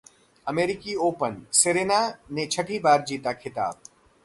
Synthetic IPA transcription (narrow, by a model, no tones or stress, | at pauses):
ɐmeːɾɪkioːpənseɾeːnanet͡ʃʰəʈʰibaːɾd͡ʒiːt̪akʰɪt̪a̰ːb̚